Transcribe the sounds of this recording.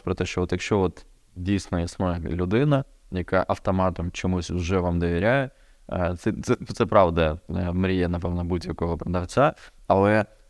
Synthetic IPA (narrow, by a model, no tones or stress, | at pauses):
pɾɐt̪ɛɕɔʋot̪jɐkɕoʋot̪ | dʲijsʲnəjɐsmojlʲʊd̪ɪnɐ | jɐkaʔɐft̪ɐmɑt̪ɐmt͡ɕɪmusʲʊʐɛʋamd̪əʋʲɪɾʲæjʊ | t̪sɛt̪sɛt̪sɛpɾɑvd̪ɐmɾʲijɛnɐpɛvnɐbutʲjɐkoʋɐpɾɐd̪ɐft̪sʲaɐlˠɛ